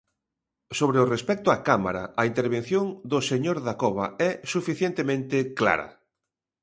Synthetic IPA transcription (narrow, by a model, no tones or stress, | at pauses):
soβ̞ɾeʊrespɛk̚t̪ʊakama̰ɾa̰aint̪eɾβ̞en̟θjoŋd̪ʊseɲoɾðakɔβ̞aɛsufiθjent̪emẽnt̪ɪkla̰ɾa̰